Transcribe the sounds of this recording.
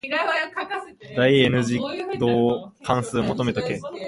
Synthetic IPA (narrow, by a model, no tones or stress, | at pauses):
d̪aienɯ̟ʑid̪oːkʰãɰ̃sɨːmo̞t̪o̞me̞t̪akẽ